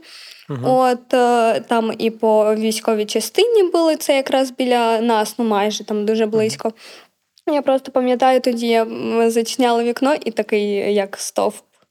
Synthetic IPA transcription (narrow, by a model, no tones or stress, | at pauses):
ot̪t̪ːamipɔʋʲisʲkɔʋʲijt͡ʃɐst̪ɪnʲibɨlˠɨt̪sɛjɐkɾasbʲilʲɐnasnumajʐɛt̪amd̪uʐɛblˠɪsʲkɔ | japɾɔst̪ɔ̥pɐmʲjɐt̪ajʊt̪ʊdʲijazɐt͡ɕnʲalˠɐʋʲiknɔʔit̪ɐkɪjjɐkst̪o̰fp